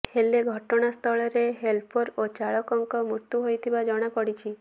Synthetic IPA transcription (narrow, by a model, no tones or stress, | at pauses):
heleɡʱɔʈɔɽ̃ast̪ʰɔɭɔɾeɦelpʰɔɾot͡ʃaɭɔkɔŋkɔmuɾt̪uɦojt̪ʰibad͡ʒɔɽ̃akɔɽit͡ʃʰi